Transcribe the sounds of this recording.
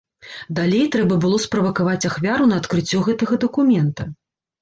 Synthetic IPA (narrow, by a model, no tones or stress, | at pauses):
d̪alʲejt̪ɾɛbɐbɨlˠɔspɾɐvɐkavat͡sʲaxvʲaɾunɐːt̪kɾɨt͡sʲːɔɣɛt̪ɐɣɐd̪ɐkumʲɛnt̪ɐ